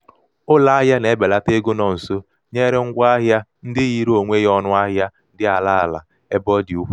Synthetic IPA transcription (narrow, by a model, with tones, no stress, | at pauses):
ʊ˦la˨a˦ɦja˦ne˨e˦be˨la˦te˦ɡo˦nɔ˨n̩˨so˦ | ɲe˦ɾe˦ŋ̩˦ɡʷa˦ɦja˦n̩˦dɪ˦ɣi˦ɾo˨ŋʷe˦jɔ˦nʊ˦a˦ɦja˦dɪ˦a˨la˦a˨la̰˨ | e˦bɔ˦di˨u˦ɸu˦